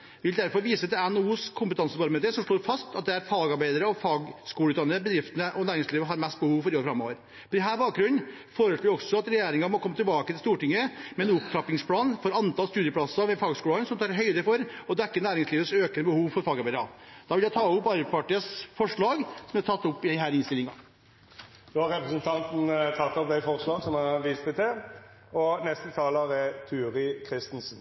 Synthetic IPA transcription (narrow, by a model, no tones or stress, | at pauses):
ʋɪld̪æɾfɔɾʋiːsət̪ɪlænuːskʰʊmpət̪ʰɑnsəʋɑɾmɛt̪əsɔmʂɭoːɾfɑst̪ɑt̪̚d̪ɛæɾfɑːɡɑɾbæɪd̪əɾəɔfɑːɡskuːləʉːt̪ɑnːəbəd̪ɾɪft̪nəʔɔnæːɾɪŋsliːʋəɦɑɾmɛst̪̚bəhuːʋfɔɾɪoːɾfɾɑmo̰ːʋəɾ | pɔɾɛɦæːɾbɑːk̚ɡɾʉnː | foːɾəʂɭoːɾɔksɔɑt̪ɾɛjeːɾɪŋɑmɔkʰɔmːət̪ɪlbɑːkət̪ɪlst̪uːʈɪŋːəmɛɛnʊpt̪ʰɾɑpːɪŋspʰlɑːnfɔɾɑnt̪ɑlst̪ʉːd̪jəpʰlɑsɑʋɛfɑːɡskuːlənsɔmt̪ʰɑːɾɦœʏd̪əfɔɾɔd̪ɛkːənæːɾɪŋsliːʋəsøːkənəbəhuːʋfɔɾfɑːɡɑɾbæɪd̪ɾɑd̪̥ɑʋɪljæɪt̪ʰɑːʊpːɑɾbəpɑʈiːəsfɔʂɭɑːɡsɔmæt̪ʰɑt̪ːʊpːɪɦæːɾɪnst̪ɪlɪŋɑ | d̪oɑɾʁɛpɾəsənt̪ʰɑnt̪n̩t̪ʰɑt̪ːɔp̚d̪æɪfɔʁslɑːɡsɔmæʁʋist̪ət̪ʰɛ | ɔnɛst̪ət̪ʰɑːləʁɛt̪ʰʉːʁɪkʰʁɪst̪n̩sn̩